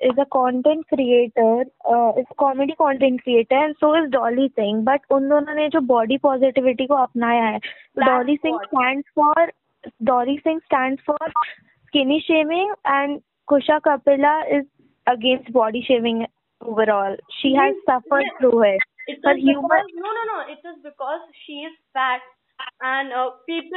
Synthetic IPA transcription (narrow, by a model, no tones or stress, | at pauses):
ɪzəkɔ̃ːɳʈɛ̃ɳʈ̚kɾieːʈəɾɪzəkɔːmeɖikɔ̃ːɳʈɛ̃ɳʈ̚kɾieːʈəɾɛ̃ɳɖsoːɪzɖɔːlisɪ̃ŋbɐʈʊnd̪oːnõːned͡ʒoːbɔːɖipɔːzɪʈɪʋɪʈikoɐpnaːjaɦɛːt̪oɖɔːlisɪ̃ŋɡsʈæ̃ːɳɖsfɔːɾ | ɖɔːlisɪ̃ŋɡsʈæ̃ːɳɖsfɔːɾ | skɪniʃeːʋɪ̃ŋɡɛ̃ːɳɖ | kʊʃakɐpɪlaɪz | əɡẽːnsʈ̚bɔːɖiʃeːʋɪ̃ŋɡ | oːʋəɾɔːlʃiːɦɛzsɐfəɾɖ̚t̪ʰɾuːɪɔjuːmə̃nononoːɪʈɪzbɪkɔːzʃiːɪzfæːʈ̚ | ɛ̃ɳpiːp